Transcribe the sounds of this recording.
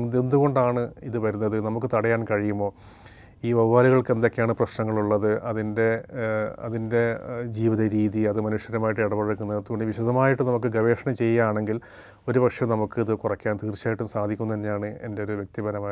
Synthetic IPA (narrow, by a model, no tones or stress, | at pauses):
end̪uɣo̞ɳɖaːɳɨiðɨʋɐɾunːɐðɨnɐmukːɨt̪ɐɽɐjaːnkɐɻijumːo̞ː | iːʋɐʋʋaːɾiɣɐɭke̞nd̪okʲːeaːɳɨprɐɕnɐŋːɐɭuɭːɐðɨʔɐðinde̞ | ɐ̰ðinde̞d͡ʑiːʋiðɐɾiːðiɐðɨmɐnuʂjɐɾɐmaːjiʈːɨeɽɐpɐɻɐkːunːeɐt̪ːuɣoɳɖɨʋiɕɐd̪ɐmaːjiʈːɨnɐmuk̬ːɨɡɐʋe̞ːʂɐɳɐmt͡ɕe̞jːaːɳe̞ŋɡil | o̞ɾubɐkʂjɐmnɐmukːɨiðɨkurɐkʲːaːnt̪iːrt͡ɕːaːjiʈːumsaːd̪ʱikʲːumnːɐðenːejaːɳɨe̞̰nde̞oɾuʋjek̚t̪ibɐnɐmaː